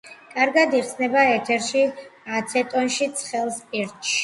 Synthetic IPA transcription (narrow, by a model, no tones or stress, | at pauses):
kʼaɾɡad̪iχsnɛbaɛt̪ʰɛɾʃiat̪sʰɛt̪ʼɔnʃit̪sʰχɛlˠspʼiɾt̪ʰʃ